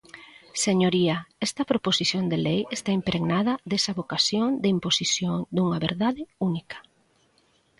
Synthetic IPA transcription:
seɲoɾiɐɛst̪ɐpɾoposiθjond̪elejest̪aimpɾʔeɣnaðɐðesɐβokasjoŋd̪eimposisjoŋd̪uŋɐβeɾðaðɪunikɐ̥

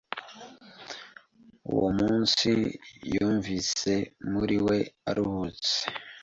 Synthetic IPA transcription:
ṵwomuːnsijuːɱvise̞muɾiwe̞aɾuhut͡se̥

